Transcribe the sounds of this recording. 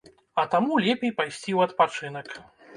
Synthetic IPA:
ɐt̪amulʲɛpʲejpajsʲt͡sʲiwɐt̪pat͡ʂɨnɐk

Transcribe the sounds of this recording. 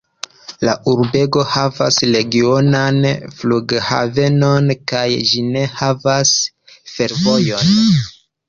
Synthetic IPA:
la̰ʔuɾbe̞ɡo̞hava̰sle̞ɡio̞nanfluɡha̰ve̞no̞nkajd͡ʒine̞havas | fe̞ɾvo̞jo̞n

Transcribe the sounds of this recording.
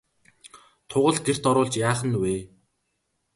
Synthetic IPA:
t̪ʰʊʁə̆ɮɡer̥t̪ɔɾʊːɬt͡ɕjaːχə̆nweː

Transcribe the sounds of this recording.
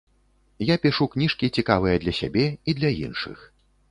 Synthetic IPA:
japʲiʂuknʲiʂkʲit͡sʲikavɨjɐd̪lʲɐsʲa̰bʲɛid̪lʲɐjḭnʂɨ̰x

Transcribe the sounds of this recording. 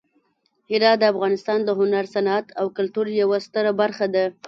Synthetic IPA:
hiɾɑd̪əafɣɑnɪst̪ɑnd̪əɦʊnaɾsanat̪awkʊlt̪uɾjawast̪əɾabaɾxad̪a

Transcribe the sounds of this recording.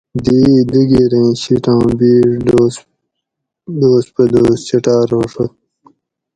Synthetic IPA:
d̪iːd̪iɡiɾẽːɕiʈãːbiːʐo | d̪oːspɐd̪oːst͡ɕɐʈaːɾoːʂɐ

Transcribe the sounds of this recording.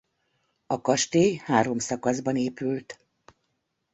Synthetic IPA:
ɒkɒʃt̪eːjhaːɾo̞msɒkɒzbɒneːpylt̪

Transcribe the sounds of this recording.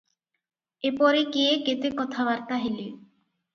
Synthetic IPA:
epɔɾekeeket̪ekɔt̪ʰabaɾt̪aɦelio

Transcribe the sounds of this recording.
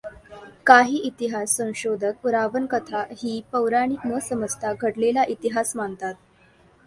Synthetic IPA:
kaɦiːʔit̪iɦasːə̃w̃ɕod̪ʱəkɾaʋənkət̪ʰaɦiːpəwɾaɽ̃iːkməsəməd͡zt̪ʰaɡʱəɽlelaʔit̪iɦasmant̪at̪̚

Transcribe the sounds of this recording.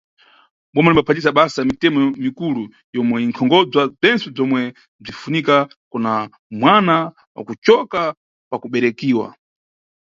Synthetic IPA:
ɓɔmanimbapʰatisaɓasaamitɛmɔmikulu | jɔmwɛiŋkʰɔŋɡɔd͡zwab͡ʐɛnt͡sɛb͡ʐɔmwɛ | b͡ʐifunika | kuna | mwana | wa̰kut͡ʃɔka | pakuɓɛɾɛkiːwa̰

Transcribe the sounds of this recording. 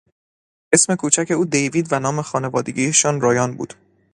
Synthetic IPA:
ʔe̞sme̞kʰuːt͡ʃʰæcʰe̞uːd̪ejviːd̪vænɒːme̞xɒːne̞vɒːd̪ḛɟʲiːjeʃɒːnɾɒːjɒːnbṵːd̪

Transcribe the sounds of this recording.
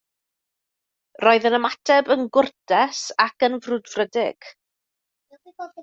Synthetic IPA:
rɔɨðənəmatʰɛbənɡʊrdɛsakənvrʊdvrədɪɡ̥

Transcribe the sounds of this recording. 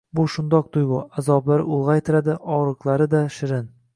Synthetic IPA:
bʊʃʊnd̪ɒq̚t̪ʊjbʊazɒblˠaɾʊlˠʁɑjt̪ʰɪɾad̪ɪʔɒɾɨqlˠaɾɪd̪aʃɪɾɪn

